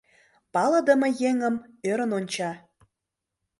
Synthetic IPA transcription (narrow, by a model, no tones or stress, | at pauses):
pɑlə̆d̪ə̆mə̆jeŋəmøɾə̆nonʲt͡ɕɑ